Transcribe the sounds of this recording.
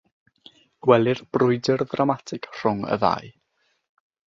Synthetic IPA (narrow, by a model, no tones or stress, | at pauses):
ɡ̥wɛlˠɪrbrʊɨdɪrðramatʰɪkr̥ʊŋə̰ða̰j